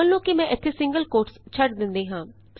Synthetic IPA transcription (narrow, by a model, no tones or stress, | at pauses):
əlːõːkɪmɛ̃ːʔɪt̪ʰːeːsɪ̃ŋɡəlkoːɾʈst͡ʃʰəɖd̪ɪnd̪eːɦãː